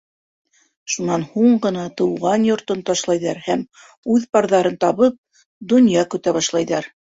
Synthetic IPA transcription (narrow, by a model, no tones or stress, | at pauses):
ʃunɑnhuɴɢɤ̆nɑt̪ɤ̆wʁɑnjŏɾt̪ɤnt̪ɑʃlˠɑjðɑɾhæm | ʉðpɑɾðɑɾɤnt̪ɑβɤp̚ | d̪ŏnjɑkɵ̆t̪æβɑʃlˠɑjðɑɾ